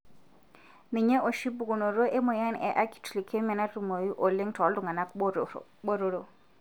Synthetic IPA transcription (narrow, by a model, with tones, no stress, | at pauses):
nɪ˨ɲɛ˦ʔo˨ʃi˦bu˨kʼu˨no˨ɾo˦ʔe˦mʊ˨ja˦n̩˨ʔɛ˨ʔa˦kʰi̥˨tʰu˨li˨kʰe˦mɛ˨na˦tʼu˨mo˨ji˦ʔo˨le˦ŋ̩˦tʰɔ˨˦ldu˨ŋa˨na˦ko˦˨ɓo˦ɾo˦ɺo˨